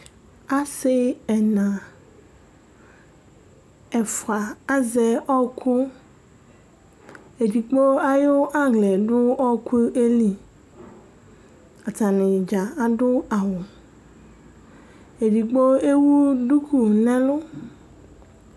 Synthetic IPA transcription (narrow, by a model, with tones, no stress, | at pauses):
a˦sɪ˦ɛ˨nã˨ | ɛ˨fa˨a˦zɛ˨ɔ˦kʰu˦ | e˨di˨k͡po˦a˦jo˦ʔa˦ɡlɛ˨ɖʊ˦ɔ˦kʰu˦ʔe˦li˨ | a˨ta˨nɪ̃˨d͡ʒa˨a˦ɖʊ˦a˨wʊ˨ | e˨di˨k͡po˦e˦wu˦ɖu˦ku˨nɛ̃˦lʊ˦